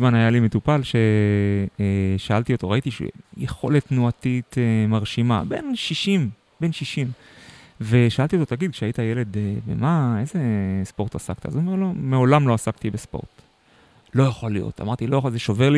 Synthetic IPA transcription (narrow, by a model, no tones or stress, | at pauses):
zmanajalimet̪upalʃe̞ | ʃaalt̪iot̪o̞ʁait̪iʃjeχo̞̰let̪nuat̪it̪emaʁʃima̰be̞̰nʃiʃim | be̞nʃiʃim | ve̞ʃaʔalt̪iot̪otaɡid̪̚kʃeaitajele̞d̪ebḛmae̞ze̞spo̞ʁtasa̰k̚t̪a̰a̰zuome̞lo̞meo̞lamlo̞asakt̪ibespo̰ʁt̪ | lo̞jaχolijo̞̰t̪a̰maʁt̪ilo̞jaχozeʃove̞ʁli